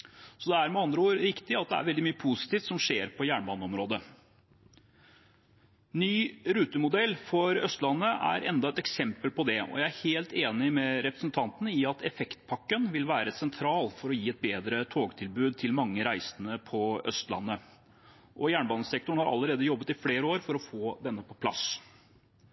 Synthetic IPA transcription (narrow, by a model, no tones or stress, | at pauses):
sɔd̪ɛæɾmɛɑnd̪ɾəoːɾɾɪkt̪ɪɑt̪̚d̪ɛ̰æ̰ɾʋɛld̪ɪmyːəpʰusɪ̥t̪iːft̪sɔmʂeːɾpʰɔjæːɳbɑːnəɔmɾoːd̪ə | nyːɾʉːt̪əmʊd̪ɛlːfɔɾœst̪lɑnːəʔæ̰ɾʔɛnd̪ɑɛt̪ɛksɛmpəlpʰɔd̪ɛɔ̰jæɪæɾheːlt̪eːnɪmɛɾɛpɾəsnt̪ʰɑnt̪ənəɪɑt̪ʰɛfɛkt̪pʰɑkːənʋɪlʋæːɾəsɛnt̪ʰɾɑːlfɔɾɔjiːɛt̪̚beːd̪ɾət̪ʰoːɡt̪ʰɪlbʉːd̪̚t̪ʰɪlmɑŋːəɾæɪsənəpʰɔœ̰st̪lɑ̰nːə | ʔɔjæːɳbɑːnəsɛk̚t̪ʊɳ̩hɑɾʔɑ̰lːəɾeːd̪əjɔbːət̪ɪfleːɾəoːɾfɔɾɔfoːd̪ɛnːəpʰɔ̥pʰlɑ̰s